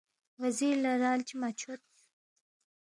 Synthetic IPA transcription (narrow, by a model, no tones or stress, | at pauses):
waziɾlaɾɑlt͡ʃimat͡ʃʰot̪̚